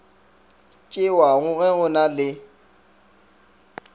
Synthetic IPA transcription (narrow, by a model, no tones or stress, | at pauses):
t͡ʃʼɪwaɣʊɣɛɣʊnalɪ